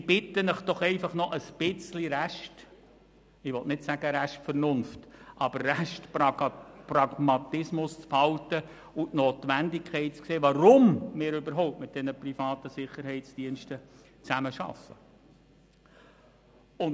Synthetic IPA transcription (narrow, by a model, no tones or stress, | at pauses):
ɪb̥ɪtənəχd̥ɔχɛɪfɑχnɔʔəsb̥ɪt͡sliɾæʃt | ɪʋɔtnɪtsæɡ̥əɾæʃtfərnʊnftʔɑb̥əɾːæʃtpprɑɡmɑt̪ɪsmʊst͡sfhɑltə | uʔnoːt̪ʋændɪkχɛɪt̚t͡skseːʋɑɾʊmmɪːɾʏbəɾɦɔʊptmɪt̪̚d̥ɛnəprifɑːtəsɪχəɾhɛɪtt͡sd̥iənʃtə | t͡sæməʃɑ̰fə | ʊn